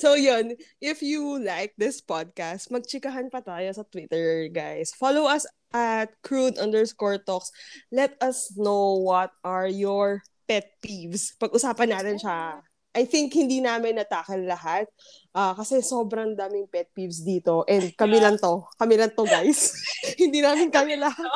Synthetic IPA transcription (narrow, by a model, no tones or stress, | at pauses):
sojonʔɪfjulajk̚d̪ɪspad̪̚kast̪̚mɐɡ̚t͡ʃɪkɐɦanpɐt̪aːjosɐt̪wɪt̪ɛɹɡajsfalowɐs | ʔɐt̪̚kɹud̪ʔɐnd̪ɛɹskoɹt̪okslɛt̪ɐsnowwɐt̪̚ʔɐɹjɔɹ | pɛt̪̚pivspɐɡʔʊsaːpɐnːaːt̪ɛnʃa | ʔɐjθɪŋkhɪnd̪inaːmɪnːɐt̪aːkɐnlɐhat̪̚ | ʔaːkɐsɛsoːbɾɐŋd̪aːmɪŋpɛt̪̚pivsd̪iːt̪o̞ʔɛnd̪̚kɐmilɐŋt̪o̞kɐmilɐŋt̪oɡajshɪnd̪iːnaːmɪnkɐmɪlɐhat̪̚